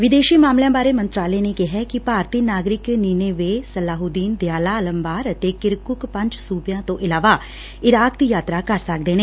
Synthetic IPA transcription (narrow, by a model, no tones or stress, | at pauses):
ʋɪd̪eːʃiːmaːmljãːbaːɾeːmənt̪ɾaːleːneːkɪɦɛːkɪpaːɾt̪iːnaːɡɾɪkniːneːʋeːsəlaːɦuːd̪iːnd̪jaːlaːələmbaːɾət̪eːkɪɾkʊkpəɲd͡ʒsuːpjãːt̪õːʔɪlaːʋaː | ɪɾaːk̚d̪iːjaːt̪ɾaːkəɾsək̚d̪eːneː